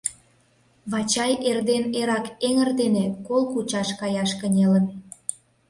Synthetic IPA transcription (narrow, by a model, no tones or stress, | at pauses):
βɑt͡ɕɑjerd̪eneɾɑkeŋərd̪enekolxut͡ɕɑʃkɑjɑʃkənʲelə̆n